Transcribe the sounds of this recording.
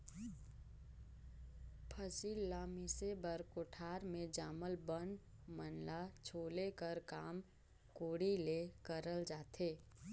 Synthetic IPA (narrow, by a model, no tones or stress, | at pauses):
pʰəsiːlːaːmisebəɾkoʈʰaːɾmẽd͡ʒaːməlbən | mənlat͡ʃʰoːlekəɾkaːm | koːɽilekəɾəld͡ʒaːt̪ʰeː